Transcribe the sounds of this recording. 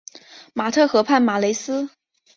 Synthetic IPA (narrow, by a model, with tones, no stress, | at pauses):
ma˨˩t̪ʰɤ˥˩xɤ˧˥pʰa˥˩nma˨˩le˧˥ɪsɹ̩˥